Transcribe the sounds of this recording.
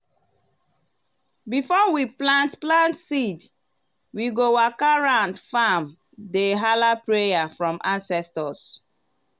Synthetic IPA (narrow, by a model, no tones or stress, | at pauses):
bifɔwiplãntplãntsid | wiɡowakaɹãʊ̃ndfam | deɦalapɹejafɹɔ̃mʔãnsɛstɔs